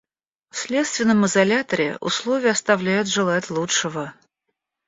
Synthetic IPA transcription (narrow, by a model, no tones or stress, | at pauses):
fsʲlʲe̞t̪st̪vʲɪnːəmɨzɐlʲat̪əɾʲɪ̰ʊ̰slˠo̞vʲɪjəɐst̪ɐvlʲæjʊt̪ʐɨlˠatʲlˠutʂəvə